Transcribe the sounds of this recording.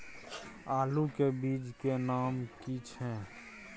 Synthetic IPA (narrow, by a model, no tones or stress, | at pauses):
aːlukebiːd͡ʒkenaːmkit͡ʃʰɦɛ̃ː